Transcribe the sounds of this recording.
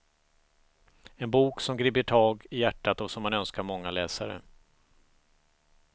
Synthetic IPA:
ɛnbuːksɔmɡɾiːbəʈʰɑːɡɪjæʈːat̪ɔsɔmhanœnskaɾmɔŋːalɛːsaɾə̰

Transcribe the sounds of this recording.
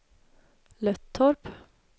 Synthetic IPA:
lœt̪ʰːɔɾp

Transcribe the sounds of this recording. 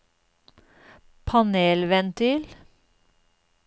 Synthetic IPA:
pʰɑneːlʋɛnt̪ʰʏl

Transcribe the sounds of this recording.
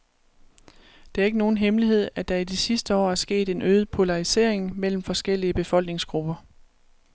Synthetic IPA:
d̥e̝æɐe̝ɡ̥əno̝ːn̩ɦemliɦe̝ð̞̰ˠæd̥ɑ̈id̥isisd̥əɒ̰ːæɐsɡ̥e̝̰ːd̥e̝nøːð̩ˠpʰo̝lɑ̈ise̝̰ɐ̰eŋmel̰m̩fɒ̽sɡ̥el̰iəb̥e̝fɒ̽l̰ɡ̥ne̝ŋsɡ̥ʁub̥ɐ

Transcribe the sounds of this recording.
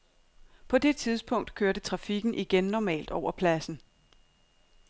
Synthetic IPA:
pʰɒ̽d̥e̝t͡sʰið̞ˠsb̥ʰɔ̽ŋ̰d̥kʰøɐdət͡sʰʁɑ̈fiɡ̥n̩ʔiɡ̥enːɒmɛ̰ːld̥ɒʊ̰ɐpʰlæsn̩

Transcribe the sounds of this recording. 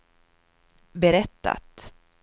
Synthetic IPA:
bɛɾɛt̪ːa̰t̪

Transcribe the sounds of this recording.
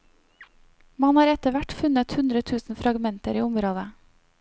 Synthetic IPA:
mɑnhɑːɾɛt̪əʋæʈfʉnət̪hʉnd̪ɾət̪ʰʉːsn̩fɾɑɡmɛnt̪əɾiːʊmɾoːd̪ə

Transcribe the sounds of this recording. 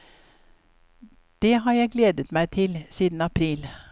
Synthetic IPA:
d̪̥eːɦɑːɾjæɪɡleːd̪ət̪mæɪt̪ʰɪlsiːd̪n̩ɑpʰɾiːl

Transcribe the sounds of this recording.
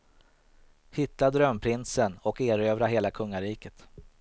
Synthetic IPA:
hɪt̪ːad̪ɾœmːpʰɾɪnsənɔkeːɾøːvɾaɦeːlakʰɵŋːaɾiːkət̪

